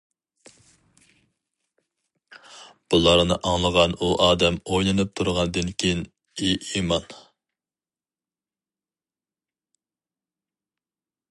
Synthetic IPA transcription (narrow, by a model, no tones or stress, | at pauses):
b̥ulˠɑɾnɨʔɑŋlˠəʁɑnuʔɑːd̪ɛmojlˠɨnɨp̚t̪ʰuɾʁɑnɨd̪ɨnkʲʰijin | iimɑn